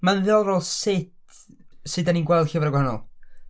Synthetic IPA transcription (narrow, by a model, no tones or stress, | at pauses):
manðɨɔlˠroːlˠsɪtʰ | sɨdaniːnɡwɛlˠd̥ɬɪvaɾəɡwahanɔ̰lˠ